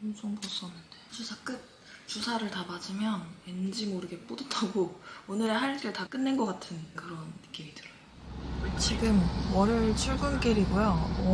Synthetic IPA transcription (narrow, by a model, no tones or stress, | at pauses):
ʌmt͡ɕʰoŋpos͈ʌnːɯnd̥e̥t͡ɕusʰak͈ɯt̚ | t͡ɕusʰaɾɯɭtabad͡ʑimjʌnwend͡ʑimoɾɯɡe̞p͈odɯtʰaɡoonɯɾeɦaɭk͈eɭtak͈ɯnːenɡʌk͈atʰɯnkɯɾʌnːɯk͈imidɯɾʌ | t͡ɕiɡɯmwʌɾɯɭt͡ɕʰuɭɡunk͈eɾiɡojo